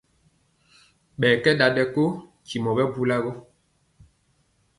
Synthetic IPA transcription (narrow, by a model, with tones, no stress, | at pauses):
ɓɛː˨kɛ˦ɗa˨ɗɛ˨ko˦ | ci˨mɔ˨bɛ˦bu˦la˦ɡɔ˦